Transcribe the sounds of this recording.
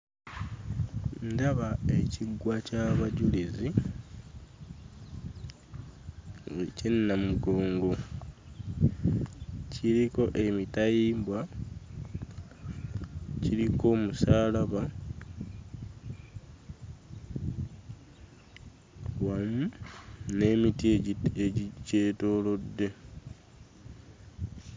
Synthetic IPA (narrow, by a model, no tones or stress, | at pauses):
ndaβaeciɡːwacaβaɟulezi | wecinːamuɡo̞ːŋɡo̞ | ciɾiko̞ʔe̞mitajiːmbwa | ciliko̞ːmusaːlaβa | wamune̞ːmitieɟiceːto̞lo̞dːe̞